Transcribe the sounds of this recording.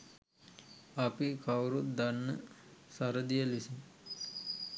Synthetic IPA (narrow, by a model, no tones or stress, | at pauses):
apikʰawɾut̪d̪anːə̰sɐɾəd̪ijəlisi